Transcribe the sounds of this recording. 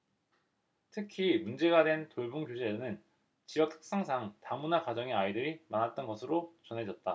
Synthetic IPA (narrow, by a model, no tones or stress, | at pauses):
tʰɯkʰimund͡ʑe̞ɡadwe̞ntoɭbuŋkjod͡ʑʰenɯn | t͡ɕijʌk̚tʰɯ̥k̚s͈aŋsʰaŋtamunakwad͡ʑʌŋeaidɯɾimanat̚t͈ʌnɡʌsʰɯɾot͡ɕʌnɦe̞d͡ʑʌt̚t͈a